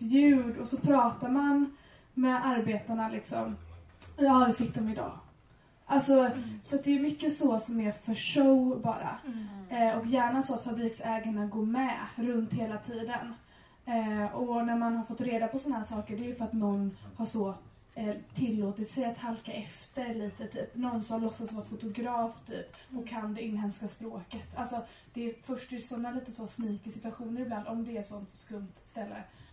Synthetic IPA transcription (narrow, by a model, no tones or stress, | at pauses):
jʉ̟ːɖɔsɔpʰɾɑːt̪aɾman | mɛʔaɾbeːt̪aɳalɪksɔ̰m | jɑːd̪ɵfɪkːd̪ɔmɪd̪ɑ̰ː | ʔalsɔsɔat̪̚d̪ɛːɾmʏkːəsɔsɔmæɾfœʂowbɑ̰ːɾa̰ | ɔkjæːɳasɔat̪fabɾiːksɛːɡaɳaɡoːmɛɾɵnt̪heːlat̪ʰiːd̪ən | ɔnæɾmanhaɾfɔt̪ːɾeːd̪apʰɔsɔnahæːʂɑːkəɖɛjɵfœɾat̪mɵnːhaʂɔ | t̪ʰɪlːoːt̪ɪt̪sɛjat̪halkaʔɛft̪əɾliːt̪ət̪ʰyːpnɔnsɔmlɔsːasvɑːɾafʊt̪ʊɡɾɑːft̪ʰy̰ːpɔkʰːand̪ɛɪnːɦɛnskaspɾoːkət̪alsɔ | d̪̥ɛːfœʂʈɛsɔnːaliːt̪əsɔsniːkɪsɪt̪ʉaɧuːnəɾɪbland̪ɔmd̪ɛæʂɔnt̪skɵmt̪st̪ɛlːə̰